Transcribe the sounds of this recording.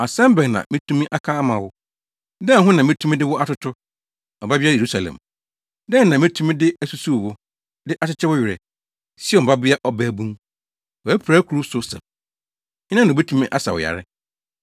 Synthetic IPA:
a˨sɛ̃˦m˦bɛ˨ŋnã̰˨mɪ̃˦tʰũ˦mĩ˦ʔa˦kʰa˦a˦mã˨wʊ˦ | dɛ˦˨˦ɦʊ̃˦nã˨mɪ̃˦tʰũ˦mĩ˦dɪ˦wʊ˦ʔa˦tʊ˦tʰʊ˦ | ɔ˨ba˦bɪ˦a˦je˨u˦sa˨lɛ̰̃˨m | dɛ˦n˨nã˨mɪ̃˦tʰũ˦mĩ˦dɪ˦æ˦su˦su˦˨wʊ˦ | dɪ˦ʔa˦t͡ɕɪ˦t͡ɕʰɛ˦wʊ˦ɥɪ˨ɾɛ̰˨ | sɪ˦ɔ˨ba˦bɪ˦a˦ʔɔ˦bæ˦˨bũ˦m | wɔ˨æ˦pʰɾaː˦kʰu˨ɾu˦sʊ˦sɛ̰̃˨m | ɲɪ˦nã˦nã˨be˦tʰũ˦mĩ˦ʔa˦sa˨wʊ̰˨ja̰˨ɾɪ˦

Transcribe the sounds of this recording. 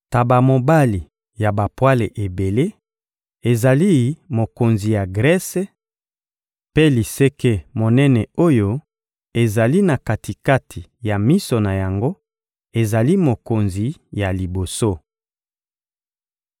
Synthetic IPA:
ta˨ba˨mo˨ba˦li˨ | ja˨ba˨pwa˦le˨ʔe˨be˨le˦ | e˨za˨li˦mo˨ko˨nzi˨ja˨ɡʁɛ˦se˦ | pe˦li˨se˦ke˦mo˨nɛ˦nɛ˨o˦jo˦ | e˨za˨li˦na˨ka˨ti˨ka˦tʰi˨ja˨mi˦so˨na˨ja˨ŋɡo˦ | e˨za˨li˦mo˨ko˨nzi˨ja˨li˨bo˨so˦

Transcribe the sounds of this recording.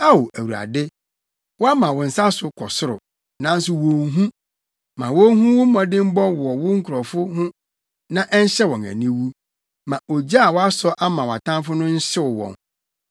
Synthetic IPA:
a˦o˨ʔæ˨wu˨a̰˨dɪ˦ | wɔ˦a˦mã˨wʊ˨n̩˨sa˦sʊ˨kʰɔ˨sʊ˦ɾʊ̰˨ | nã˦n̩˦sʊ˨wɔ̃˨ŋɦũ˦ | mã˨wɔ˦ɦũ˦wʊ˦mɔ̃˨dɪ̃˦m̩˦bɔ˦wɔ˨wʊ˦ŋ̩˦kʰʊ˨ɾɔ˨fʊ˦hʊ̃˦ | nã˦ʔɛ˦ɲ̩˦ɕɛ˦wɔ̃˨næ̰˨nĩ˦wu˦ | mã˨ʔo˨d͡ʑa˦a˨wɔ˦a˦sɔ˦ʔa˦mã˨wa˨tʰã˦mfʊ˦nʊ̃˦ɲ̩˦ɕɪ˦wʊ˨wɔ̰̃˨n

